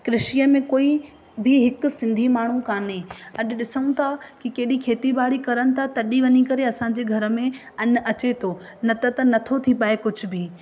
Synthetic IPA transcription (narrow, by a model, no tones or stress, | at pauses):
kɾɪʃijəmẽkoːi | bɪɦɪkʊ̆sɪ̃nd̪ʱimaːɳ̤ũkaːnẽɐɗʊ̆ɗɪsəũt̪ʰakɪkɐɦɪɗikʰeːt̪ibaːɽ̤ikɐɾəñɪ̆t̪ʰat̪ɐɗiʋɐɲikɐɾeɐsã̆d͡ʑeːɡʱɐɾə̆mẽ | ɐn̆ɐt͡ɕet̪ʰoː | nɐt̪ɐt̪ɐnɐt̪ʰot̪ʰipaekʊd͡ʑʱʊbɪ